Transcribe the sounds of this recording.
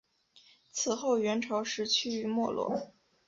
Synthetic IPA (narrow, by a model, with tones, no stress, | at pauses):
t͡sʰɹ̩˨˩xo˥˩ʊɥɛ˧˥nʈ͡ʂʰɑ˧˥ʊʂɻ̩˧˥t͡ɕʰy˥˩y˧˥mwɔ˥˧lwɔ̰˥˩